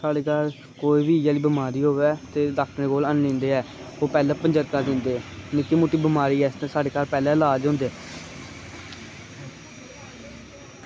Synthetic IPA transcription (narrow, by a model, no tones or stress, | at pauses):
saːɖeːkaːɾ | koːiːbiːd͡ʒaːliːbəmaːɾiːɦoːʋɛːt̪eːd̪akʰnẽːkoːlənlɪ̃ːnd̪eːɛː | oːpɛːlɛ̃ːpəɲd͡ʒəɾkaːd̪ɪ̃ːnd̪eːnɪkːiːmuːʈːiːbəmaːɾiːɛːst̪ɛ̃ːsaːɖeːkaːɾpɛːlɛ̃ːlaːd͡ʒɦõːnd̪eː